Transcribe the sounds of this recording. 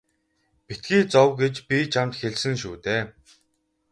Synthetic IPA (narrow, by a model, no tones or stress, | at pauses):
pit̪̚ɡiːt͡sɔwɡet͡ɕpʲit͡ɕʰamt̪xeɮsɘ̆ŋʃuːt̪eː